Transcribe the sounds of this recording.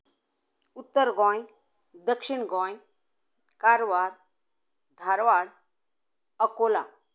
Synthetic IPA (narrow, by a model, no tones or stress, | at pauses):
ut̪ːəɾɡɔ̃j | d̪əkʂiɳɡɔ̃j | kaɾʋaɾ | d̪ʱaɾʋaɽ | əkola